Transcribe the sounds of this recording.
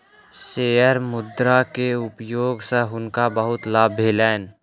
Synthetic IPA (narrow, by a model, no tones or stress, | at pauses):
seːjəɾmʊd̪ɾakeʊpjoːɡseɦʊnkabəɦʊt̪laːbʱelɛːn